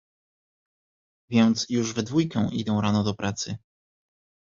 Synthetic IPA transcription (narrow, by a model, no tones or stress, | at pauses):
vʲjɛnt̪sjuʐvɛd̪vujkɛ̃w̃ʔḭd̪ɛ̃w̃ɾanɔd̪ɔpɾʔat̪sɘ